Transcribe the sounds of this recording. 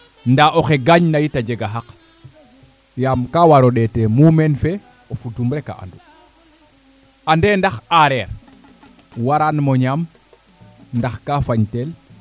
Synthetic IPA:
ndaʔoxeɡaɲnajitad͡ʒɛɡaɦak | jamkawaɾɔɗɛtɛmumɛnfɛ | ofudumɾɛka̰ʔa̰ndu | andɛndaxaɾɛɾ | waɾanmɔɲam | ndaxkafaɲtɛl

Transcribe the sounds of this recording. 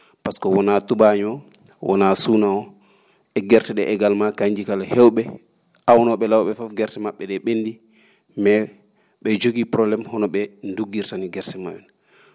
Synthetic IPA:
paskɔwɔnatubaɲɔ | wʔɔ̰nasunaɔ | ɛɡɛɾtɛɗɛʔɛɡalmakaɲd͡ʒikalhɛwɓɛ | ʔawnɔɓɛlawɓɛfɔfɡɛɾtɛmaɓːɛɗɛɓendi | mɛ | ɓɛd͡ʒoɡipɾɔblɛmhɔnɔɓɛnduɡːiɾtaniɡɛɾsɛmajɛn

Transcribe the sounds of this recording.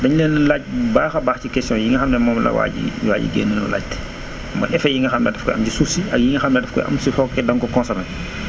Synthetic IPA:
dɐɲleːnːlaːc̚baːxɐbaːxcikɛstijɔ̃ːjiŋɡɐxɐmnɛmɔːmlɐ̰wa̰ːɟḭwa̰ːɟḭɡḛːnːənɔ̰la̰ːc̚t | mɐ̰ʔɛfɐjiŋɡɐxɐmnɛdɛfkɔ̰jʔɐmcisusiʔɐk̚jiŋɡɐxɐmnɛdɛfkɔ̰jʔɐ̰msixɔkːɛdɐŋkɔkɔ̃ːnsɐnɐ

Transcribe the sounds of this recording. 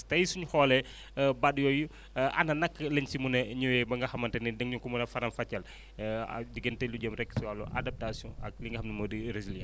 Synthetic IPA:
tɐjsuɲuxɔːlɛ | badjɔju | ʔɐ̰nɐnɐkːlɐɲsimunɐɲuwɛbɐŋɡɐxɐmːɐntɛnidəŋɲukumunɐfɐɾɐmfɐcːɐl̰ | diɡəntɛluɟɐmrɛkːsiwalṵʔa̰dɐp̚tasijɔ̃ɐ̰k̚liŋɡɐhɐmnɐmɐdiɾeziljɛ

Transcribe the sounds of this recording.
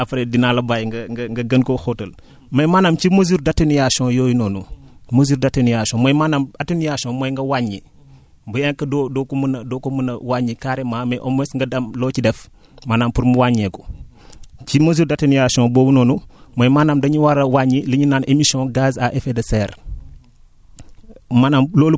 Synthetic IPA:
ɐfɾedinalɐbajŋɡɐŋɐŋɡɐɡɐnkoxotɐl | mɐjmaːnamt͡ʃimozuɾdatːɐnijaʃɔ̃jojinoːnumozuɾdatɐnijaʃõmojmanamatunijaʃõmojŋɡɐwaɲi | mbujaŋkɐdodokumunɐdokomunɐwaɲikaːɾemaːmeʔomesŋɡɐdɐmlot͡ʃidɛf | manampuɾmuwaɲeko | t͡ʃimozuɾdatinijaʃɔ̃bowunoːnumojmanamdɐɲiwaɾawaɲiliɲinanʔemisɔ̃ɡazaʔefedɐsɛɾ | manamloːlu

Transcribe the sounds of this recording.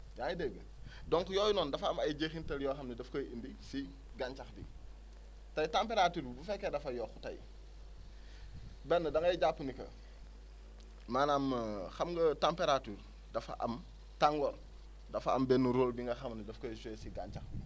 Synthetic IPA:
jajideɡə | dɔŋkjɔːjunɔːndɐfɐmɐjɟexintɐljɔxɐmnidɐfkɐindisi | ɡaɲt͡ʃɐxdḭ | tɐjtampeɾatuːɾbufɛkːedɐfɐjɔːxutɐ̰j | bɛnːɐdɐŋɐjɟapːunikɐ̰ | maːnamxɐmɡɐtampeɾatuːɾ | dɐfa̰ʔɐ̰m | taŋɡɔl | dɐfɐ̰mbɛnːuɾoːlbiŋɡɐxɐmnidɐfkɐsesiɡa̰ɲt͡ʃaxi

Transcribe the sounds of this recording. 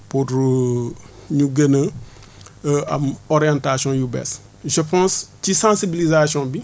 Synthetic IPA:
puɾ | ɲuɡənə | ɐ̰mɔɾjãntasjɔ̃jubɛ̰s | ʒəpãːscisãsibilizasjɔ̃bi

